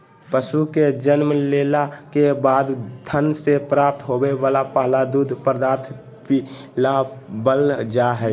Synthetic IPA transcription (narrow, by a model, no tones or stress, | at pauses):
pəʃuked͡ʒənməleːlakebaːd̪t̪ʰənsepɾaːp̚t̪ɦobeʋaːlapaːɦlad̪ud̪ʱpəɾd̪aːɾt̪ʰ | pi | labəlnd͡ʒaɦɛ